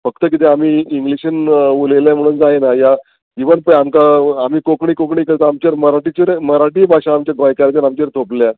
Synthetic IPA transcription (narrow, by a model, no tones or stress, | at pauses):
fək̚t̪əkit̪̬eamiːŋɡliɕənuleljam̤əɽ̃und͡zajenaja | d͡ʑiʋənpəamkaːm̤iːkokɳiːkokɳiːkəɾt̪aamt͡ɕeɾməɾaʈit͡ɕəɾməɾaʈiːbʱaɕãːmt͡ɕjaɡajkaɾt͡ɕ̪əɾamt͡ɕeɾt̪ʰoplja